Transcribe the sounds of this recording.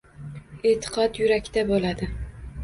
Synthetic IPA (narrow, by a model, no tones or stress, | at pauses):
et̪ʰɨ̥qʰɒt̪jʊɾakʲt̪abolad̪ɪ